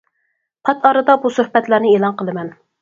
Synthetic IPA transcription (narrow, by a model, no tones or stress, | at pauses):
pʰɑt̪ʰɑɾɨd̪ɑbusøhbɛt̪læɾnɪeːlˠɑnqəlˠɨmɛn